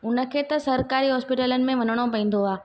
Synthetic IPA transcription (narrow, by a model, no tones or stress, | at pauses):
ʊnə̆kʰeːt̪ɐsɐɾkaːɾiɦɔːspɪʈələnɪ̆mẽʋɐnəɽ̃opɐ̃ĩːn̆d̪oaː